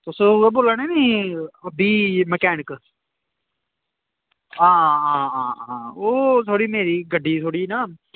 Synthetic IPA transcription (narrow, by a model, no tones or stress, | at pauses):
t̪ʊsõːʊɛːboːlaːneːniːəbiːməkɛːnək | ãːãːãːãːoːt̪ʰoːɽiːmeːɾiːɡəɖiːt̪ʰoːɽiːnaː